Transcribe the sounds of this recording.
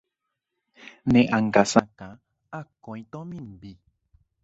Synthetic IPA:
nɛ̃ʔaŋ̩ɡasãkã | akɔ̃ĩt̪ɔ̃mĩm̩bi

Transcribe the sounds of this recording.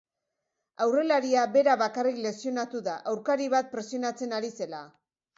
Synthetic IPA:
awre̞laɾiaβe̞ɾaβakarikle̞sio̞nat̪uðaʔawɾkaɾiβ̞at̪̚pɾe̞sio̞nat͡se̞naɾise̞la

